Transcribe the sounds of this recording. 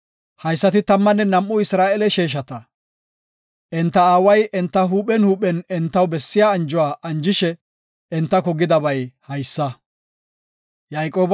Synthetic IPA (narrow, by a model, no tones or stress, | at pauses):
hɐjsːɐt̪ɪt̪ɐmːɐnːɛnɐmʔːʊɪsɾaːʔɛlɛʃeːʃ̬ɐt̪ɐ | ʔɛnt̪ːɐaːwɐjʔɛnt̪ːɐɦuːpɛnhuːpɛnɛnt̪ːɐwbɛsːɪjaːɐnd͡ʒʊwaːʔɐnd͡ʒɪʃɛ | ɛnt̪ːɐkɔɡɪd̪ɐbɐjhɐjsːɐ | jaːjkʼoːb